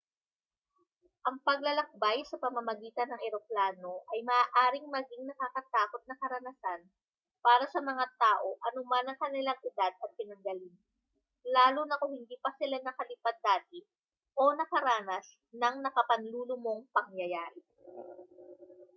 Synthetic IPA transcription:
ʔɐŋpɐɡ̚lɐlɐk̚bajsɐpɐmɐmɐɡiːt̪ɐnːɐŋʔɛɾo̞plaːno̞ʔɐjmɐʔaːʔaːɾɪŋmɐɡiŋnɐkakɐt̪aːko̞t̪̚nɐkɐɾɐnɐsan | paːɾɐsɐmɐŋat̪aːʔo̞ʔɐnʊmanɐŋkɐnɪlaŋʔɪd̪ad̪̚ɐt̪̚pɪnɐŋɡɐlin | laːlʊnɐkohɪnd̪iːpɐsɪlanɐkɐlɪpad̪̚ːaːt̪ɪ | ʔo̞nɐkɐɾaːnɐs | nɐŋnɐkɐpɐnluːlʊmo̞ŋpɐŋjɐjaːɾɪ

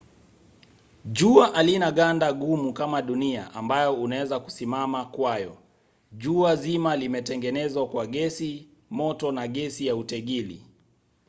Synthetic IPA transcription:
ʄuaʔalinaɠandaɠumukamaɗunia̰ʔambajɔunawɛzaku̥simamakwajɔ | ʄuazimalimɛtɛŋɡɛnɛzwakwaɠɛsi | mɔtɔnaɠɛsijautɛɠilḭ

